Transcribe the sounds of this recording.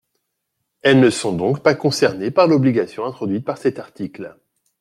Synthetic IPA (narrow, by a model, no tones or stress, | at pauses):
ɛlnəsɔ̃d̪ɔ̃kpakɔ̃sɛʁnepaʁlɔbliɡasjɔ̃ɛ̃t̪χɔd̪ɥit̪̚paʁsɛt̪aʁt̪ikl